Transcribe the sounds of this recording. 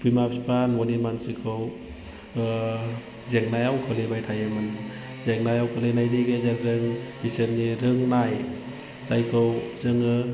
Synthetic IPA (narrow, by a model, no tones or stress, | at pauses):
pʰujmapsipanmonimansikʰɯw | zeŋnajawkʰɯlebajtʰajɯmɯn | zeŋnajawkʰɯlenajniɡezeɾɾɯŋbisɯnːiɾɯŋnaj | zajkʰɯwzɯŋɯ